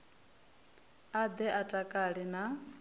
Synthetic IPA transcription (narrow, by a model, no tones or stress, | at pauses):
ad̪ɛʔatʼakʼaɺina